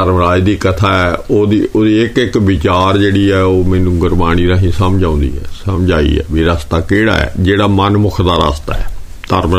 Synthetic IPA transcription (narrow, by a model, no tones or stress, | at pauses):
əɾmɾaːid̪iːkət̪ʰaːɛːoːd̪iːoːd̪iːɪkɪkʋɪt͡ʃaːɾd͡ʒeːɽiːɛːoːmɛ̃ːnũːɡəɾmaːñiːɾãːɦĩːsəmd͡ʒãːʊ̃ːnd̪ḭːɛ̰ːsəmd͡ʒaːḭɛ̰ːʋiɾəst̪aːkeːɽa̰ːɛ̰ːd͡ʒeːɽaːmənmʊkʰd̪aːɾə̰st̪a̰ːɛː | t̪əɾm